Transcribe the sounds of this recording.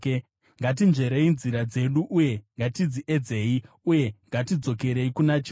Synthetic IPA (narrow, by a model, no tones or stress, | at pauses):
ŋɡat̬inʐe̞ɾe̞inziɾad͡ze̞ɗuʔuje̞ŋɡatid͡ziʔe̞d͡ze̞i | uje̞ŋɡatid͡zo̞ke̞ɾe̞ikunat͡ʃi